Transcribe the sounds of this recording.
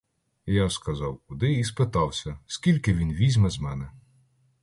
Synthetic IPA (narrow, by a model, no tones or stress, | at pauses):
jaskɐzɑwkʊd̪ɪispɪt̪ɑwsʲɐskʲilʲkɪʋʲinʋʲizʲmɛzmɛnɛ